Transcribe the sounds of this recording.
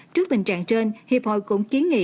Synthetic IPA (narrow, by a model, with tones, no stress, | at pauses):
t͡ɕɨ˦˥ək̚ɓï˨˩ŋ̟t͡ɕa̰ː˧˨ŋt͡ɕe˧nhi˨˩əp̚ho̰˧˨jkʊ̰˧˥ŋ͡mki˨˦ənŋḭ˧˨